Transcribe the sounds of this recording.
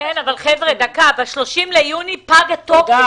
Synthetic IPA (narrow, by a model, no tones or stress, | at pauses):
enavalχevʁed̪akabaʃlo̞ʃimlejunipaɡat̪ok